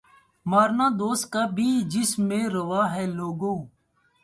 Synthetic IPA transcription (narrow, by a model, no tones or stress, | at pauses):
maːɾnãːd̪oːst̪̚kaːbʱiːd͡ʒɪsmːẽːɾəʋaːɦɛːloːɡõː